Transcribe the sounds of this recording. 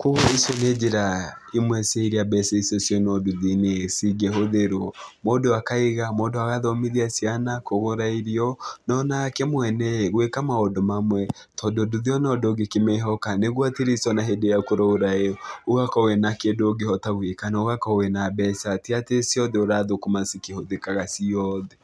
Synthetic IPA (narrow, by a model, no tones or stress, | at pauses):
koɣoisjɔned͡ʒeɾa | imwɛseiɾiabɛsɛisɔsjɔnɔduðinesiɡɛɦoðeɾɔmodoakaiɣamodoaɣaðɔmiðiasianakoɣoɾaiɾiɔnɔnakɛmwɛnɛɣwekamaɔdɔmamwɛ | tɔdoduðiɔnɔdoɡekemeɦɔkaneɣwateɾisɔnaɦedejakoɾɔoɾaeoɣakɔwenakendooɡeɔtaɣwekanaoɣakɔwenabɛsatiatesjɔðɛoɾaðokomasikehoðekaɣasiɔðɛ